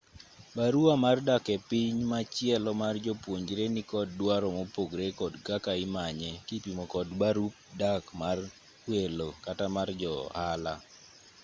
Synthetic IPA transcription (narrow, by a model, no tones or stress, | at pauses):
baɾuamardakɛpiɲmat͡ʃɪɛlɔmard͡ʒɔpwoɲd͡ʒɾenikɔd̚dwaɾɔmopoɡɾekɔdɡakaɪmaɲɛkipimokɔdbaɾup̚dakmar | welokatamard͡ʒɔhala